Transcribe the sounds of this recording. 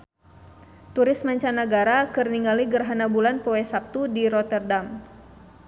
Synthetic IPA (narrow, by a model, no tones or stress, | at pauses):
t̪uɾɪsmaɲt͡ʃanaɡaɾakərniŋaliɡərɦanabulanpowɛsap̚t̪udiɾɔt̪ɛrdam